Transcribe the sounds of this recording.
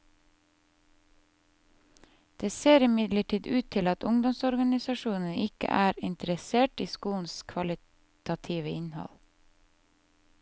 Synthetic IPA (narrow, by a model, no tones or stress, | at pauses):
d̪̥eːseːɾɪmɪd̪ləʈʰiːd̪ʉːt̪ʰɪlɑt̪ʊŋd̪ɔmsɔɾɡɑnɪsɑʃuːnn̩ɪkə̰ʔæːɾɪnt̪əɾəseːʈiːskuːn̩skʰʋɑlɪ | t̪ʰɑt̪ʰiːʋəʔɪnhɔ̰l